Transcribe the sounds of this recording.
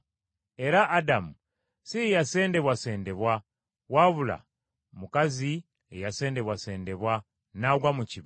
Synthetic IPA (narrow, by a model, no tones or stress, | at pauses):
e̞ɾaʔːdamu | sijase̞ːnde̞βwase̞ːnde̞βwa | waβula̰ | mukazi | ḛjase̞ːnde̞βwase̞ːnde̞βwa | naɡwamuciβ